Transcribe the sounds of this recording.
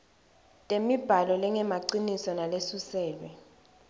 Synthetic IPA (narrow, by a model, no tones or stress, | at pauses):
tʼemib̥ʱalɔlɛŋɛmaǀinisɔnalesusɛːɓɛ